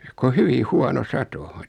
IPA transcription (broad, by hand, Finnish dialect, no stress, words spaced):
ko hyʋi huɑno sɑto